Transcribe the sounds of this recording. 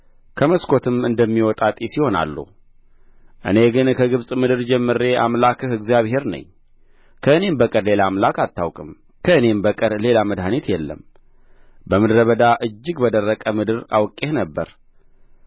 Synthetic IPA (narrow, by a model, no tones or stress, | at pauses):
kʰəməskʰo̞t̪ʰɨmɨnd̪əmːiwɔt̪ʼat̪ʼisiho̞na̰lːṵ | ʔɨ̰ne̞ɡɨnkʰəɡɨβsʼmɨd̪ɨɾd͡ʒɛmːɨɾe̞ʔa̰mlakʰɨhɨɡzijaβhe̞ɾnə̰ɲː | kʰəɨne̞mbəkʼəɾle̞lamlakat̪ʰːawkʼɨm | kʰəɨne̞mbəkʼəɾle̞laməd̪ɦanit̪jɛlːə̰m | bəmɨd̪ɾəβəd̪aʔɨd͡ʒːɨɡbəd̪ərːəkʼəmɨd̪ɨɾa̰wkʼːehnəbːə̰ɾ